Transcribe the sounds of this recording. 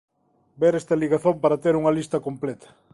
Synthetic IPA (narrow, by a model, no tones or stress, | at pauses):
beɾest̪ɐliɣaθompaɾɐt̪eɾuŋɐlist̪ɐkomplet̪ɐ̥